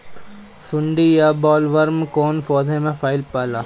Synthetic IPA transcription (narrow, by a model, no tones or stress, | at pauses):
sʊɳɖijabɔːlʋəɾmkoːnfɔːd̪ʱẽmẽfʰaːɪlpaːlaː